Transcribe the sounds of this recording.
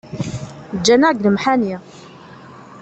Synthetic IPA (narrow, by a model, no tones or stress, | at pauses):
d͡ʒːænæɡləmħani